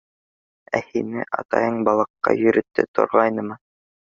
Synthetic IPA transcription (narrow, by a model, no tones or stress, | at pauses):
æhinɘʔɑ̰t̪ɑ̰jɤɴbɑlˠɤ̆qːɑ̰jɵ̆ɾɵ̆t̪ːɘ̰t̪ʰŏ̰ɾʁɑjnɤmɤ